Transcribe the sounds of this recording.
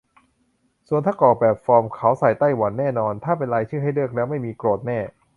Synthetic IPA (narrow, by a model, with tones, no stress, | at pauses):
su˨˩ənt̪ʰaː˥˩kɔː˨˩k̚bɛː˨˩p̚fɔː˧mkʰa˦˥wsa˨˩jt̪a˥˩jwa˩˦nːɛː˥˩nɔː˧nt̪ʰaː˥˩pe˧nɾaː˧jt͡ɕʰɯː˥˩ɦa˥˩jlɯ˥˩ək̚lɛː˦˥wma˥˩jmiː˧kɾoː˨˩t̪̚nɛː˥˩